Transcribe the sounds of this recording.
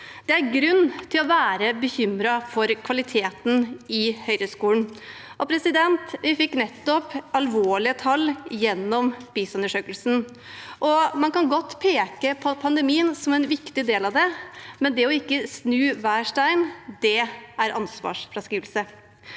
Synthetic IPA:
d̪̥ɛæɾɡɾʉnːt̪ʰɪlɔʋæːɾəbəçʏmɾɑfɔɾkʰʋɑlɪt̪ʰeːt̪n̩ɪhœʏɾəskuːnʔɔpʰɾɛsɪd̪ɛnt̪ʋɪfɪkːnɛt̪ːɔpɑlʋoːɭɪət̪ʰɑlːjɛnːɔmb̥iːsʉnəʂøːkəlsn̩ | ʔɔmɑnkɑnɡɔt̪ːpʰeːkəpʰpʰɑnd̪ɛmiːənsɔmɛɪnʋɪkt̪ɪd̪eːlɑʋd̪ɛmɛnd̪ɛɔɪkːəsnʉːʋæːʂʈæɪnd̪̥ɛæɾʔɑ̰nsʋɑ̰ːʂfɾɑskɾiːʋəlsə

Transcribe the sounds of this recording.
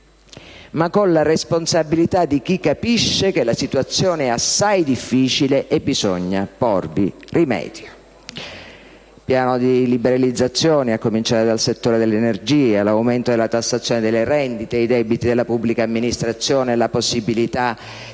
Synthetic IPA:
makːonlaresponsabilit̪ad̪ik̟ikːapiʃːekelasit̪uat̪sːjɔːneɛasːajd̪ifːiːt͡ʃileʔebːizɔɲːapɔrbirimɛ̰ːd̪̥jo | pjaːnod̪ilibeɾalid̪zːat̪sːjɔːneakːomint͡ʃaːɾed̪alset̪ːoːɾed̪elːenerd͡ʒiːelawment̪od̪elːat̪asːat̪sːjoːned̪elːeɾɛnd̪it̪eid̪ɛbit̪id̪elːapubːlikaːmːinist̪ɾat̪sːjɔːnelaposːibilit̪a

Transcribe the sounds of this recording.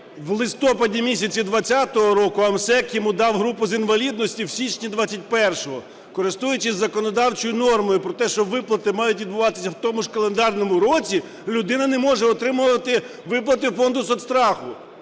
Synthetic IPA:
wlˠɪst̪ɔpɐdʲimʲisʲɐt͡sʲid̪ʋɐt͡sʲːat̪ɔɦɔɾɔkʊɐmsɛkjɔmud̪ɑwɦɾupʊzinʋɐlʲid̪nɔsʲtʲiwsʲit͡ʃnʲid̪ʋat͡sʲːɐtʲpɛrʃɔɦɔ | kɔɾɪst̪ujʊt͡ʃɪzːɐkɔnɔd̪ɑwt͡ʃɔjʊnɔrmɔjʊpɾɔt̪ɛʃt͡ʃɔʋɪplˠɐt̪ɪmɑjʊtʲid̪̚bʊʋɑt̪ɪ̥sʲɐwt̪ɔmʊʒkɐlˠend̪ɑrnɔmʊɾɔt͡sʲi | lʲʊd̪ɪnɐnɛmɔʒɛɔt̪ɾɪmʊʋɐt̪ɪ | ʋɪplˠɐt̪ɪfɔnd̪ʊsɔt̪st̪ɾɑxʊ

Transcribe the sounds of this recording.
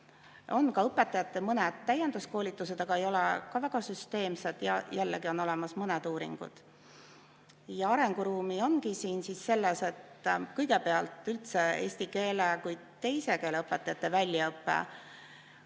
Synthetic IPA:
o̞nkɑɤpːet̪ːˑɑjɑt̪ːˑe̞mɤnɛd̪̥t̪ːæjend̪usko̞ːlʲit̪ːˑuse̞d̪ɑɡ̥ɑe̞jo̞lɛkɑvæɡ̥ɑsyst̪e̞ːmsed̪jɑjælːeɡio̞nːo̞lɛmɑsmɤnɛd̪uːɾḭŋɡ̥ṵd̪̥ | jɑɑɾe̞ŋɡ̥uɾuːmio̞nkisiːnsisːe̞lːese̞t̪kɤjɡepe̞ɑlt̪ˑylt̪se̞e̞̰ːsʲt̪ike̞ːlekuj | t̪e̞jse̞ke̞ːleɤpːˑet̪ːˑɑjɑt̪ːˑevælʲjɑɤpːḛ

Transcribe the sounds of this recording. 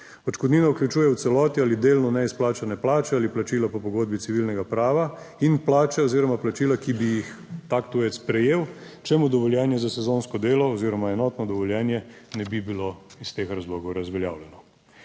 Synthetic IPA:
ɔt͡ʃkɔd̪niːnauklʲjut͡ʃuːjɛwt̪sɛlɔːt̪ialid̪eːlnɔnɛisplaːt͡ʃanɛplaːt͡ʃɛaːliplat͡ʃiːlapɔpɔɡoːd̪̚bit̪siʋilnɛɡapɾaːʋa | inplaːt͡ʃɛɔziːɾɔmaplat͡ʃiːlakibijixt̪akt̪ujɛt̪spɾɛjeːwt͡ʃɛmud̪ɔʋɔljɛːnjɛzasɛzoːnskɔd̪eːlɔːziːɾɔmaɛnɔːt̪nɔd̪ɔʋɔljɛnjɛnɛbibiloist̪exɾazloːɡɔwɾazʋɛlja̰ːwljɛnɔ

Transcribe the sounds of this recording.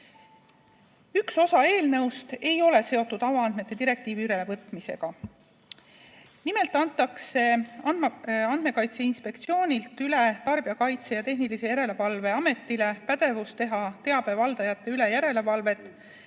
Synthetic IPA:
ykso̞sɑe̞ːlnɤwst̪e̞jo̞le̞se̞o̞t̪ːˑud̪̥ɑwɑɑnme̞t̪ːe̞d̪iɾe̞k̚t̪iːviyɾele̞vɤt̪ˑmise̞̰ɡ̥ɑ | nime̞lt̪ːˑɑnt̪ːˑɑkse̞ɑɑnd̪̥me̞kɑjt̪seinspe̞kt̪sio̞ːnʲilt̪ːˑyle̞t̪ɑrb̥iɑkɑjt̪se̞jɑt̪e̞ɦnilisejæɾe̞le̞vɑlve̞ɑme̞t̪ːile̞pæd̪e̞vust̪e̞ɦɑt̪e̞ɑb̥e̞vɑld̪̥ɑjɑt̪ˑːe̞yle̞jæɾe̞le̞vɑlve̞t̪ːˑ

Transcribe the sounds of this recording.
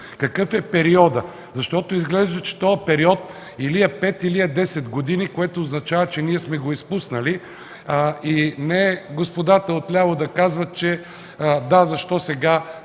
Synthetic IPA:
kɐkɤfɛpɛɾiɔd̪ə | zɐʃt̪ɔt̪oizɡlɛʒd̪ɐt͡ʃɛ̥t̪ɔɐpɛɾiɔt̪̚ | iliɐpɛt̪iliɐd̪ɛsɛd̪ɡod̪inikoɛt̪oːznɐt͡ʃavət͡ʃɛniɛsmɛɡoispusnɐli | inɛɡospod̪at̪əot̪lʲavod̪ɐkazvɐt̪t͡ʃɛ | d̪azɐʃt̪ɔsɛɡa

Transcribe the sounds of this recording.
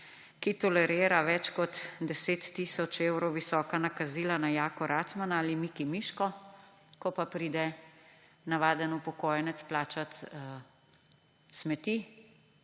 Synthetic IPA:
kit̪ɔlɛɾeːɾaʋɛt͡ʃkɔt̪d̪ɛseːt̪ːiːsɔt͡ʃewɾɔwʋisɔːkanakaziːlanajaːkɔɾʔaːt̪smanaaːlimiːkimiːʃkɔ | kɔpapɾiːd̪ɛ | naʋaːd̪ənupɔkɔːjɛnɛt̪splaːt͡ʃat̪ | smɛt̪i

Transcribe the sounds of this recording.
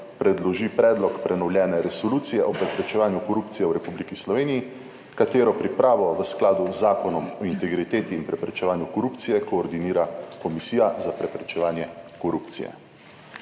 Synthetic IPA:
pɾɛd̪lɔʒipɾɛːd̪lɔkpɾɛnɔwljɛːnɛɾɛsɔluːt̪sijɛʔɔpɾɛpɾɛt͡ʃɛʋaːnjukɔɾupt̪sijɛwɾɛpublikislɔʋeːniji | kat̪eːɾɔpɾipɾaːʋɔʋəsklaːd̪uzːaːkɔnɔmɔint̪ɛɡɾit̪eːt̪iːnpɾɛpɾɛt͡ʃɛʋaːnjukɔɾuːpt̪sijɛkɔːɾd̪iniːɾakɔmisiːjazapɾɛpɾɛt͡ʃɛʋaːnjɛkɔɾupt̪sḭjɛ̰

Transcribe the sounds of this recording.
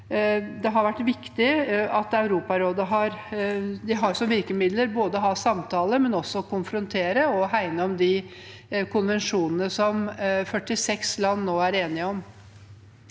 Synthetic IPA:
d̪ɛɦɑɾʋæʈːʋɪkt̪ɪɑt̪ɑʉɾuːpɑɾoːd̪əɦɑɾd̪ɪɦɑɾsɔmʋɪɾkəmɪd̪ləɾboːd̪əɔɦɑːsɑmt̪ʰɑːləmɛnɔsːɔkʊnfɾʊnt̪ʰeːɾəɔɦæɪnəɔmd̪ɪ | kʊnʋɛnʂuːnənəsɔmfœʈːɪsɛkslɑnːoːæɾeːnɪəɔm

